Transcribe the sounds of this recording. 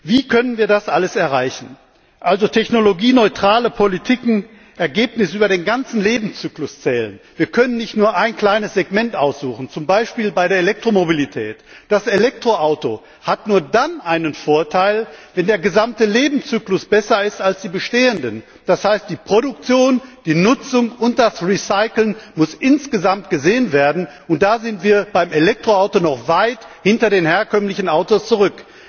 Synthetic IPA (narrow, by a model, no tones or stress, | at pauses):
viːkʰœnənviːɐdasʔaləsɛɐʁaɪçn̩ | ʔalzotʰɛçnoloɡiːnɔʏtʁ̥aːləpʰolitʰɪkŋ̩ | ʔɛɐɡeːpnɪsʔyːbɐɾeːnɡant͡sn̩leːbm̩t͡syːklʊst͡sɛːlə̰nviːɐkʰœnənːɪçtnuːɐʔaɪnkl̥aɪnəsz̥eɡmɛntʔaʊsz̥uːχn̩t͡sʊmbaɪʃpiːlbaɪdeɐelɛk̚tʁ̥omobilitʰɛːtd̥aselɛk̚tʁ̥oʔaʊto̰ | hatnuːɐdanʔaɪnənfoːɐtʰaɪlvɛndeːɐɡəzamtəleːbm̩t͡syːklʊsb̥ɛsɐɪstalsd̥iːbəʃteːəndən | d̥ashaɪstd̥iːpʁ̥oɾʊk̚t͡sjoːnd̥iːnʊt͡sʊŋʊnt̚d̥asʁiːsaɪkl̩nmʊsʔɪnsɡ̥əzamt̚ɡ̥əzeːənveːɐdn̩ | ʊnt̚d̥aːzɪntv̥iːɐbaɪmelɛk̚tʁ̥oaʊtonɔχvaɪthɪntɐdeːnheːɐkʰœmlɪçn̩aʊtost͡suʁʏk